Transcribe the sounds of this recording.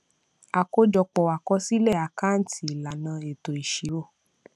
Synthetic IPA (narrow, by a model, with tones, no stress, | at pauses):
a˨ko˦d͡ʒɔ˧k͡pɔ˨wa˨kɔ˧si˦lɛ˦˨a˨ka˦n̩˦˨˦tʰi˨la˨nã˧e˨to˨i˨ʃi˨˦wo˦˨